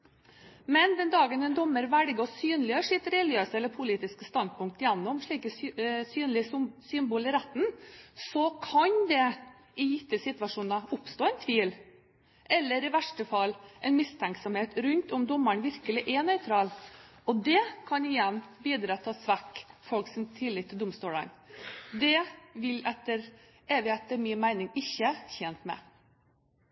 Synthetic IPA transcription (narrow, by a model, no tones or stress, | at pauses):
mɛnd̪ɛnd̪ɑːɡənɛnd̪ɔmːəɾʋælɡɔsyːnlɪøːʂɪt̪ɾɛljøːsɛlːəɾpʰʊliːt̪ɪskəst̪ɑnd̪̚pʰʊŋk̚t̪jɛnːɔmʂɭiːkəsyːnlɪsʏnbuːlɪɾæt̪ːn̩sɔkʰɑnd̪ɛ | ɪjɪt̪ːəsɪt̪ʋɑʂuːnɑʊpst̪oːɛnt̪ʰʋiːl | ʔɛlːəɾɪʋæʂʈəfɑlːʔɛɪnmɪst̪ʰæŋksɔmheːt̪ɾʉnt̪ʊmd̪ɔmːəɳʋɪɾkəlɪʔænœʏt̪ʰɾɑːlɔd̪ɛkʰɑnɪjɛnːbiːd̪ɾɑːt̪ʰɑsʋækːfɔlksɪnt̪ʰɪlːɪt̪ːɪd̪ʊmst̪uːlɑ̰nd̪ɛʋɪlɛt̪ːəɾ | ɛʋɪɛt̪ːəɾmiːmæɪnɪŋɪçːəçɛnt̪mɛ̰